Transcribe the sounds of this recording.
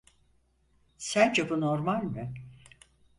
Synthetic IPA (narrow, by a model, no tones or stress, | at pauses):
sænd͡ʒebunoɾmalʲmɨ